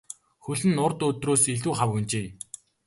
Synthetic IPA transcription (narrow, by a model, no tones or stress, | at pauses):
xɵɮɘ̆nːʊrt̪ɵt̪roːseɮuːχawxunt͡ɕeː